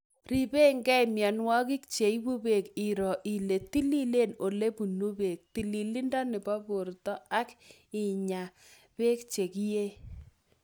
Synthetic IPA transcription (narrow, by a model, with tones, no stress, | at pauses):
ri˨be˦ŋɡɛ˦jmjɔ˨nwɔ˦kɪ˦k̚t͡ʃe˨i˦bu˦be˨ki˨ɾɔ˨ʔi˨le˨ti˦li˦le˦˨no˨le˦pu˨nu˦be˨k̚ti˨li˨li˦ndɔ˦nɪ˨bɔ˦bʊ˨ɾtɔ˦a˦k | ɪ˨ɲa˨ | pe˦kt͡ʃe˨kje˦